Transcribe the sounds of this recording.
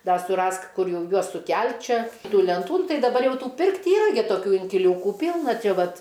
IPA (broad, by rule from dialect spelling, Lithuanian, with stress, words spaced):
ˈdɐ sʊˈrɐsk ˈkʊr ˈjɛʊ ˈjuɔs sʊˈkʲɛlʲtʲ ˈt͡ʃʲɛ ˈtuː lʲɛnˈtuː nʊ ˈtɐɪ dɐˈbɐr ˈjɛʊ ˈtuː ˈpʲɪrktʲ ˈiːrɐ ɡʲɪ toːˈkʲuː ɪŋʲkʲɪˈlʲuːkʊ ˈpʲiːlˠnɐ ˈt͡ʃʲɛ ˈʋɐt